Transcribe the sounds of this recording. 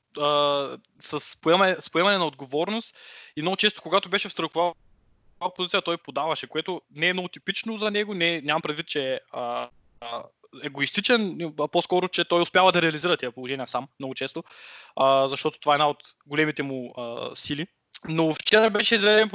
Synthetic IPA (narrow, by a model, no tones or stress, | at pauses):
ə | sɐspoɛmspoɛmɐnɛnɐod̪̚ɡovɔɾnʊst̪imnoɡʊt͡ʃɛst̪o̥koɡat̪ʊbɛʃɛfst̪ɾəkxʊva | pozit̪sijɐt̪ɔjpod̪avɐʃɛkoɛt̪ʊnɛmnoɡʊt̪ipit͡ʃnozɐnɛɡʊnɛɲʲamɐmpɾɛd̪vit̪̚t͡ʃɛə | ɛɡoist̪it͡ʃɛnposkɔɾʊt͡ʃɛt̪ɔjʊspʲjavɐd̪ɐɾɛɐliziɾɐt̪iɐpolˠoʒɛniɐsammnɔɡʊt͡ʃɛst̪oəzɐʃt̪ɔt̪o̥t̪ovaɛd̪naot̪ | ɡolɛmit̪ɛmʊə̰sili | noft͡ʃɛɾɐbɛʃɛizvɛd̪ɛnp